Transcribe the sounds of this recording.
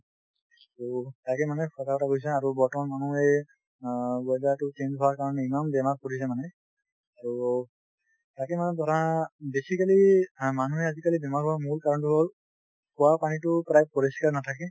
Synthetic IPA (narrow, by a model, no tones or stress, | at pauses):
tutakɛmanɛkʰɔtakɔtakojs̬ɛaɹubɔɹtɔmanmanuɛ | bɔjdatʊt͡ʃend͡ʒɦɔwaɹkaɹɔnɛimambɛmaɹ̚kɔɹis̬ɛmanɛ | aɹu | takɛmanɛtɔtabesikalimanuɦɛazikalibɛmaɹɦɔwamuɹkaɹɔntuɦol | kɔwapanitʊpɹajb̚pɔɹiskaɹnatʰakɛ